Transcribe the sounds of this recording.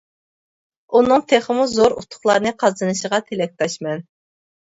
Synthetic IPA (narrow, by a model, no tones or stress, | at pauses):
unːɨŋt̪ʰeχəmuzoɾṵt̪ʰːʊ̥χlˠɑɾnɨqʰɑzd̪ɨnɨʃəʁɑt̪ʰelɛk̚ʲt̪ʰɑʃmɛn